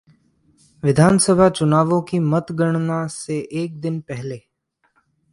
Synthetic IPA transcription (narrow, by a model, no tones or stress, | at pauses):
ʋɪd̪ʱaːnsəbʱat͡ʃʊnaːʋõkimət̪ɡəɳ̃naseʔeːk̚d̪ɪnpɛɦleː